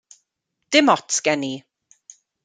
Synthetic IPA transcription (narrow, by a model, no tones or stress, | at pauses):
d̥ɪmɔtɡ̥ɛni